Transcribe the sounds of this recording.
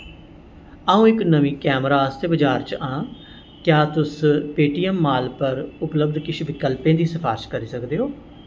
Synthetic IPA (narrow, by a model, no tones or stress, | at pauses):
əːũːɪknəʋĩːkɛːmɾaːəst̪eːbəd͡ʒaːɾt͡ʃãː | kjaːt̪ʊspeːʈijəmːaːlpəɾʊpləbd̪kɪʃʰʋɪkəlpẽːd̪iːsəfʰa̰ːɾɪʃkəɾiːsəkd̪eːɦoː